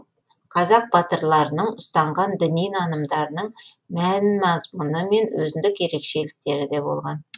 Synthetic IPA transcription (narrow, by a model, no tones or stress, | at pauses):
qʰɑzɑq̚b̥ɑt̪əɾlˠɑɾənəɴʊst̪ɑɴʁɑnd̪ɪnijnɑnəmd̪ɑɾənəɴ | mænmɑzmunəme̞nwɵ̰zɪnd̪ɪkje̞ɾe̞kʃe̞lɪk̚t̪e̞ɾɪd̪e̞bo̞̰lˠʁɑn